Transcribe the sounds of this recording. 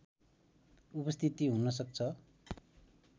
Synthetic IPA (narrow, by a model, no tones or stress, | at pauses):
upʌst̪ʰit̪iɦunʌs̬ʌk̚t͡sʰʌ